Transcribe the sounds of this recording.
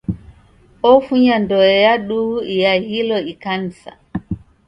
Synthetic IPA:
ɔfuɲandɔɔjaɗuijahilɔikansa̰

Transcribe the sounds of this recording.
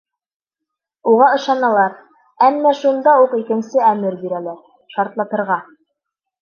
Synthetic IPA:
uʁɑɤ̆ʃɑnɑlˠɑɾ | æmːæʃund̪ɑuqikɘ̆nsɘæmɘɾbiɾælæɾ | ʃɑɾt̪lˠɑt̪ɤ̆ɾʁɑ

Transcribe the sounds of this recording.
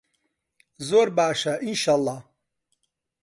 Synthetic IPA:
zoɾbaːʃaʔinʃalˠːɑh

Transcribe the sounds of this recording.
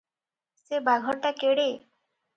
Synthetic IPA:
sebaɡʱɔʈakeɽe

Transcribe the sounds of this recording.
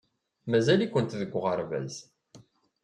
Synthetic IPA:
mæzælikʷənt̪ðəɡʷːʁəɾˤvæ̰z

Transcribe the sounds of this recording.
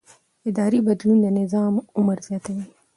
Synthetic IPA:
ɪd̪ɑːɾibɐd̪lund̪enɪzɑːmʊməɾzjaːt̪ɐwiː

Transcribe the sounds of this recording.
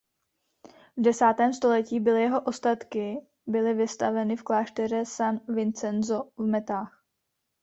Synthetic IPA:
vdɛsaːt̪ɛːmst̪o̞lɛciːbɪlɪjɛɦo̞ʔo̞st̪at̪kɪ | bɪlɪvɪst̪avɛnɪfklaːʃt̪ɛɾɛsanvɪnt͡sɛnzovmɛt̪aːx

